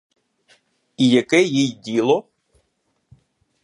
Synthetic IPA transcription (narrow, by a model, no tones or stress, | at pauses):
ijɐkɛjijdʲilˠɔ